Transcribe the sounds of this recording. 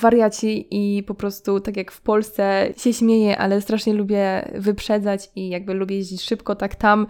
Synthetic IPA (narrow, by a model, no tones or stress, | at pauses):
vaɾjat͡ɕiʔipɔpɾɔst̪ut̪akʲjakfpɔlst̪sɛɕɛɕmʲjejɛʔa̰lɛst̪ɾaʂɲɛlubʲjɛ̰vɘpʂɛd̪zat͡ɕijaɡ̚bɘlubʲjɛjeʑd͡ʑit͡ɕʂɘpkɔt̪akt̪am